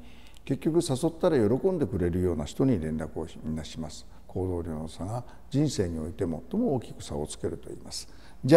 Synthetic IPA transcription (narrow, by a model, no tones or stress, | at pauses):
ke̞kʲːo̞kɯ̟saso̞t̪ːaɾajo̞ɾo̞kõ̞nd̪e̞kɯ̟ɾe̞ɾɯ̟jo̞ːnaɕi̥t̪o̞ɲ̟iɾẽ̞nɾakɯ̟o̞̰mʲinaɕimasɨ̥ | kʰo̞ːd̪o̞ːɾʲo̞ːnosaɡa | d͡ʑĩɰ̃se̞ːɲ̟io̞it̪e̞mo̞t̪ːo̞mo̞ːkʲi̥kɯ̟̥sa̰ot͡sɨ̥ke̞ɾɯ̟t̪o̞ḭːmasɨ̥ | d͡ʑ